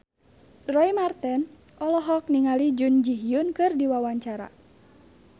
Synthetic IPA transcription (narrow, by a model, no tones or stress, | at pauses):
rɔimart̪ɛnʔɔlɔɦɔk̚niŋalid͡ʒund͡ʒiɦjunkɨrdiwawaɲt͡ʃaɾa̰